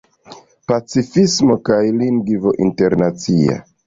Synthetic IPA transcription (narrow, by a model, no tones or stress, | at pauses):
pat͡sifismo̞kajliŋɡvo̞ʔinte̞ɾnat͡sia̰